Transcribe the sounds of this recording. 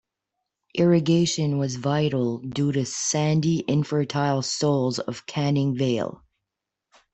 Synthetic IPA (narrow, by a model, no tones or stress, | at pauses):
ʔɪɹɨɡeɪʃɨ̃nwʌzvaɪɾl̩ˠduɾɨsæ̃ndiʔɪ̃ɱfə˞tʰaɪlˠsoʊlˠzʌ̰v̥kʰænɪ̃ŋveɪlˠ